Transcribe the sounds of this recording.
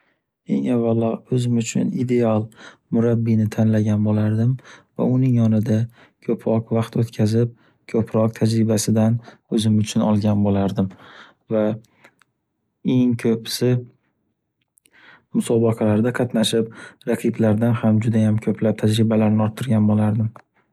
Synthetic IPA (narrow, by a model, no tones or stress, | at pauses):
e̞̰ŋavːalːɒɵzɪmʊt͡ʃʰʊ̰nid̪e̞alˠmʊɾabːinɪt̪ʰanlaɡʲanbolaɾd̪ɪmva̰ʊnɪŋjɒnɪd̪a | kʰɵpʰɾɒqvɑqt̪ot̪kʲʰazɪp̚ | kʰɵpʰɾɒq̚t̪ʰad͡ʒɾɪbasɪd̪anɵzɪmʊt͡ʃʰʊnɒ̰lˠɡʲanbolaɾd̪ɪm | va | e̞ŋkʰɵpsɪ | mʊsɒbɑqʰɑlaɾd̪aqʰɑt̪naʃɪp̚ɾaqʰɨblaɾd̪anhamd͡ʒʊd̪ajamkʲʰɵpʰlap̚t̪ʰad͡ʒɾɪbalaɾnɪɒɾt̪ʰːɪɾɡʲanbolaɾd̪ɪm